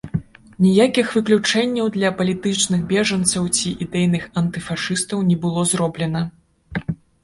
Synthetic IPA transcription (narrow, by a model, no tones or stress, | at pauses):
nʲijakʲixvɨklʲut͡ʂɛnʲːɐwd̪lʲɐpɐlʲit̪ɨt͡ʂnɨxbʲɛʐɐnt̪sɐwt͡sʲiʔid̪ɛjnɨxɐnt̪ɨfaʂɨst̪ɐwnʲɛbɨlˠɔzrɔblʲɛnɐ